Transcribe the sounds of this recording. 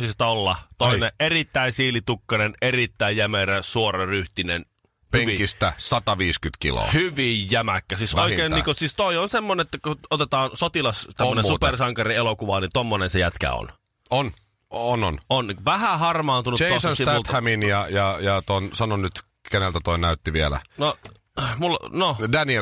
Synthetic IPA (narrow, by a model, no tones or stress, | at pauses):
sist̪olːɑt̪oineʔerit̪ːæinsiːlit̪ukːɑnenerit̪ːæijjæmeræsuorɑryht̪inen | hpyeŋʋist̪æsɑt̪ɑʋiːskyt̪kḭlo̰ːˑhyʋijjæmækːæsiːsoikeːnniːŋkosiːst̪oionsemːonenet̪ːækuot̪et̪ɑːnsot̪ilɑst̪æmːnenupersɑŋkɑrielokuʋɑnit̪omːonensejæt̪kæ̰o̰n | on | onononʋæhæhɑrmɑːnt̪unutt͡ʃeosnsit̪ælt̪hæminjɑjɑjɑt̪onsɑnonnyt̪ | kenelt̪æt̪oinæyt̪ːiʋielæ̰no | mulːnodænie